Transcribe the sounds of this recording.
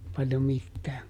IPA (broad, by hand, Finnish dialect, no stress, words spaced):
pɑljo mitːæː